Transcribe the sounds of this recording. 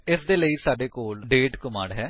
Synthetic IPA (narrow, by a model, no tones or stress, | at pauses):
ɪsd̪eːləiːsaːɖeːkoːlɖeːʈkʊmãːɽɦɛː